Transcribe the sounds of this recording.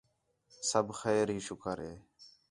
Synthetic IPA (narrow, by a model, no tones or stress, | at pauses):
səbʱxɛːɾɦiːʃʊkʰəɾɦḛː